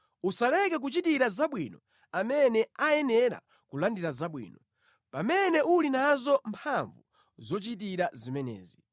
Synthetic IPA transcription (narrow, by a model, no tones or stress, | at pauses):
usalɛkɛk̬ut͡ʃitiɾazaɓwinɔ | amɛnɛajɛnɛɾa̰ | kulandiɾazaɓwḭːnɔ | pamɛnɛʔulinazɔmpʰaɱvu | zɔt͡ʃitiɾazimɛnɛ̰ːzi